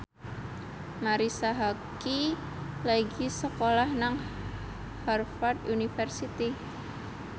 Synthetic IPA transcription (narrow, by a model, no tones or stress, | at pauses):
maɾisaɦaki | laiɡisəkolahnaŋ | harfad̪unifɛrsit̪i